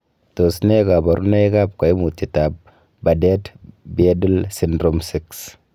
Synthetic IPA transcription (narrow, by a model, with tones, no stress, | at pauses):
to˨sne˦ɡa˨ba˨ɾʔu˦ne˦ɡa˦˨b̚ka˨jmu˨ti˨ta˨b̚ | ba˨de˦tbe˦di˦lsi˦ndɾo˦msi˦ks